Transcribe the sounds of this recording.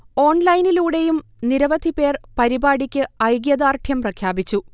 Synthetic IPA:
o̞ːɳlɐjniluːɽe̞jumniɾɐʋɐd̪ʱipe̞ːrpɐɾibaːɽikʲːɨɐjɡjɐðaːrʈ̪ʰjɐmprɐkʰjaːbit͡ɕːu

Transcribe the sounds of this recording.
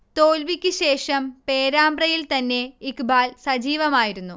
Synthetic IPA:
t̪o̞ːlʋikʲːɨɕe̞ːʂɐmpe̞ːɾaːmbrɐjilt̪ɐnːe̞ikbaːlsɐd͡ʑiːʋɐmaːjiɾunːu

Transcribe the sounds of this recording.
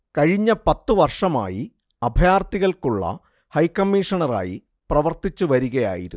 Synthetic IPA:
kɐɻiɲːɐpɐt̪ːuʋɐrʂɐma̰ːji | ɐbʱjaːrt̪iɣɐɭkuɭːɐ̰ | hɐjkɐmːiːʂɐɳɐra̰ːjḭ | prɐʋɐrt̪it͡ɕːuʋɐɾuɣɐja̰ːjḭɾu

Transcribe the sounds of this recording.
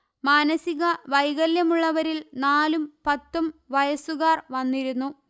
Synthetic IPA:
maːnɐsiɣɐʋɐjɣɐljɐmuɭːɐʋɐɾilnaːlumpɐt̪ːumʋɐjɐsuɣaːrʋɐnːiɾunːu

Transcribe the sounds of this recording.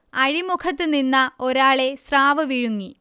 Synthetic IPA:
ɐɻimukʰɐt̪ːɨninːɐoɾaːɭe̞sraːʋɐʋiɻuŋːi

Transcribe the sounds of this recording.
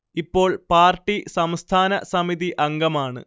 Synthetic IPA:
ipːo̞ːɭpaːrʈːisɐmst̪ʰaːnɐ̰sɐmiðiʔɐŋɡɐmaːɳɨ̰

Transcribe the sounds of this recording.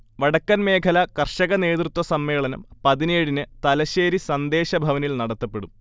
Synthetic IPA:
ʋɐɽɐkːɐnme̞ːkʰɐlɐkɐrʂɐɣɐne̞ːðrɨt̪ːwʋɐsɐmːe̞ːɭɐnɐ̰mpɐðineːɽinɨt̪ɐlɐɕeːɾisɐnd̪e̞ːɕɐbʱɐʋɐnilnɐɽɐt̪ːɐpːe̞ɽum

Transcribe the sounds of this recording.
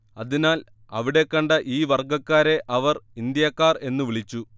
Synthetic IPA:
ɐðinaːl | ɐ̰ʋiɽe̞kːɐɳɖɐʔiːʋɐrɡɐkːaːɾe̞ʔɐʋɐrind̪jɐkːaːre̞nːuʋiɭit͡ɕːu

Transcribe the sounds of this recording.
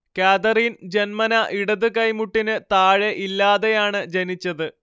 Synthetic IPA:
kaːd̪ɐriːnd͡ʑenmɐnɐʔiɽɐðɨkɐjmuʈːinɨt̪aːɻeʔilːaːðe̞jaːɳɨd͡ʑenit͡ɕːɐðɨ

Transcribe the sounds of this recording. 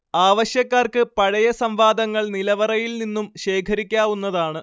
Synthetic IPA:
aːʋɐɕjɐkːaːrkɨpɐɻɐjɐsɐmʋaːd̪ɐŋːɐɭnilɐʋɐrɐjilninːumɕe̞ːkʰɐɾikʲːaːʋunːɐðaːɳɨ

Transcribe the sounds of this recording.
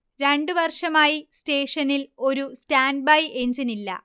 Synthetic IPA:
ɾe̞ɳɖɨʋɐrʂɐmaːjiste̞ːʂɐnːilo̞ɾustaːnɖ̚bɐjeɲd͡ʑinilːɐ̰

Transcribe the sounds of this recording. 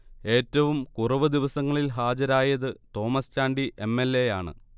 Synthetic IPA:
e̞ːtːɐʋumkurɐʋɨd̪iʋɐsɐŋːɐɭilɦaːd͡ʑɐɾaːjɐðɨt̪o̞ːmɐst͡ɕaːɳɖiʔe̞mːe̞lːe̞jaːɳɨ̰

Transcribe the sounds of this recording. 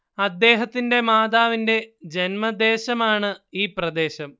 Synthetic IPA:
ɐd̪ːe̞ːɦɐt̪ːinde̞maːd̪aːʋinde̞d͡ʑenmɐd̪e̞ːɕɐmaːɳɨiːprɐd̪e̞ːɕɐm

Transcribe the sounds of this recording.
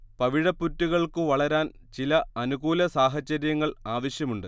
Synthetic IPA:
pɐʋiɻɐpːutːuɣɐɭkɨʋɐɭɐɾaːn | t͡ɕilɐɐnuɣuːlɐsaːɦɐt͡ɕːɐɾjɐŋːɐɭaːʋɐɕjɐmuɳɖɨ

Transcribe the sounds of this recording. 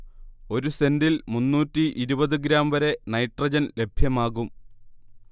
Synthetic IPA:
o̞ɾuse̞ndilmunːuːtːiʔiɾubɐðɨɡɾaːmʋɐɾe̞nɐjʈrɐd͡ʑɐnle̞bʱjɐmaːɣum

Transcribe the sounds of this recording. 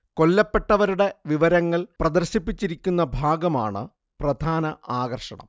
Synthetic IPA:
ko̞lːɐpːe̞ʈːɐʋɐɾuɽe̞ʋiʋɐɾɐŋːɐɭprɐd̪ɐrɕipːit͡ɕːiɾikʲːunːɐbʱaːɡɐma̰ːɳɨ̰ | prɐd̪ʱaːnɐʔaːɣɐrʂɐ̰ɳɐ̰m

